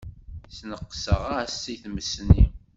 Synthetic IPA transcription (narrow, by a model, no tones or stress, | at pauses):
θnəqːsəʁasiθməsnːi